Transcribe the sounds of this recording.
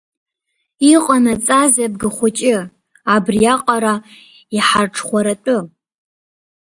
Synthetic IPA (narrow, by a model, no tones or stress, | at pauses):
iqʷʼanat͡sʼazab̚ɡɨχʷʊt͡ʃʼɪ | abrijaqʼaɾa | iħarʈ͡ʂʰχʷaɾatʷʼʊ